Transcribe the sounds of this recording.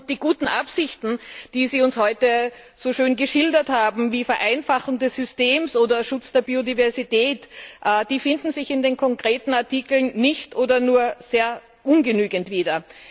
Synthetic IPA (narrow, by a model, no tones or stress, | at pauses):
d̥iːɡuːtn̩ʔapsɪçtn̩d̥iːziːʊnshɔʏtə | z̥oʃøːnɡəʃɪldɐthaːbm̩viːfɛɐʔæɪnfaχʊŋdɛsʏsteːmsʔoːdɐʃʊt͡sd̥eːɐbiːodivɛɐzitɛːtʔd̥iːfɪndn̩zɪçɪndeːnkʰɔŋkʁ̥eːtn̩aɐtiːkl̩nːɪçtʔoːdɐnuːɐz̥eːɐ | ʔʊnɡənyːɡəntv̥iːdɐ